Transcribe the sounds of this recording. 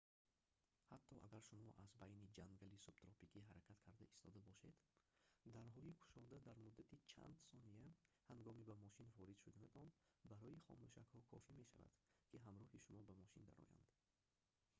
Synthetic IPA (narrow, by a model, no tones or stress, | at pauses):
hat̪ʰːɔʔa̰ɡaɾʃumɔʔazbajnid͡ʒaŋɡalisubt̪ɾɔpikʰiɦaɾakʰat̪kʰaɾd̪aist̪ʰɔd̪abɔʃe̞d̪d̪aɾɦɔikʰu̥ʃɔd̪ad̪aɾmud̪ːat̪ʰit͡ʃʰa̰nd̪sɔniahaŋɡɔmibamɔʃinvɔɾid̪̥ʃud̪aned̪ɔnbaɾɔiχɔ̰muʃakhɔkʰɔ̰fime̞ʃa̰va̰d̪̥kʰiɦamɾɔhiʃumɔbamɔʃind̪a̰ɾɔ̰ja̰nd̪̥